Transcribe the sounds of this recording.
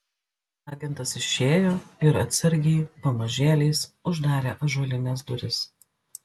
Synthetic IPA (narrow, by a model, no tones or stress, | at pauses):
ɑːɡʲɛnt̪ɐsɪʃʲeːjoːɪɾɐt̪ʲsʲɛɾʲɡʲɛɪpɐmɐʒʲeːlʲɛɪsʊʒd̪ɑːɾʲeːʔɐʒɔlʲɪnʲɛːs̬d̪ʊɾʲɪs